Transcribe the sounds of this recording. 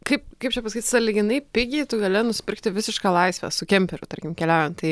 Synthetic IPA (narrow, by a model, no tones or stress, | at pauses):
kɐɪpkɐɪp̚t͡ʃʲɛpɐsɐkʲit̪sɐlʲɪɡʲɪnɐɪpʲɪɡʲɛɪt̪ʊɡɐlʲɪnʊsʲɪ̥pʲɪɾkt̪ʲɪʋʲɪsʲɪʃkɑːlˠɐɪsʲʋʲɛ̰sʊkʲɛmʲpʲɛɾʲʊt̪ɐɾʲkʲɪmkʲɛlʲæʊjɛnt̪t̪ɐɪ